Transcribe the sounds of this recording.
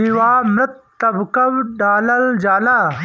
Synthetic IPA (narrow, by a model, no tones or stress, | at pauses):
iwaːmɾɐt̪ːɐbkɐwɖaːlɐld͡ʒaːlaː